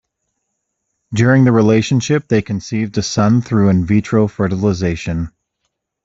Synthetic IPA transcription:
dʊɹɪ̃ŋðɨɹileɪʃɨ̃nʃɪp̚ðeɪkʰɨ̃n̩sivdɨsʌ̃nθɹʉɨ̃nvit͡ʃʰɹ̥oʊfɜ˞ɾl̩ˠəzeɪʃɨ̃n

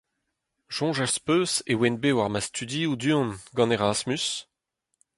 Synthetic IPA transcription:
ʒ̥ɔ̃ʒaspøːsewɛnbewaʁmast̪ʰyd̪iud̪yɔ̃nɡɑ̃neʁasmys

